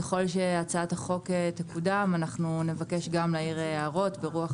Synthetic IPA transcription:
eχo̞lʃe̞at͡saat̪aχo̞ketekudamanaχnune̞vake̞ʃɡamlaiʁeaʁo̞tbeʁuaχ

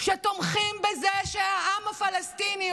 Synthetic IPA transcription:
ʃet̪omχimbezeʃeaʔamafalast̪ini

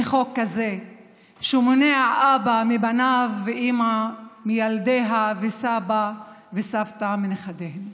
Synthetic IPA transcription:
eχokːaze | ʃumoneaʕʔabamibanavːeʔimamijald̪eɦavesabavesavt̪amineχad̪ehem

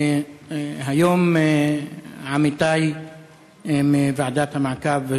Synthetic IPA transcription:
ɦajom | ʕamit̪aj | mevaʕd̪at̪hamaʕkav

